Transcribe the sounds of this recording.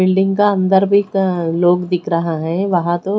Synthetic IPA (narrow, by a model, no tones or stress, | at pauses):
ɪlɖɪ̃ŋŋɡkaɐ̃nd̪əɾbʱikloːɡd̪ɪkʰɾɐɦaɦɛ̃ʋɐɦãt̪o